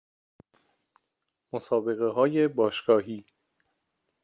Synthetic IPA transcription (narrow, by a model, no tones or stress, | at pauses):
mosɒːbe̞ɣeɦɒːje̞bɒːʃɡ̥ɒːɦiː